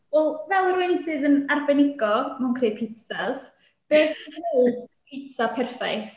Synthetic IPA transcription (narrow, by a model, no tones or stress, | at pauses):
ɛlˠvɛlˠərwensɨːðənarbɛnɪɡɔmankʰreːpʰɪtsas | b̥eːsnedpʰɪtsapʰɛrfajθ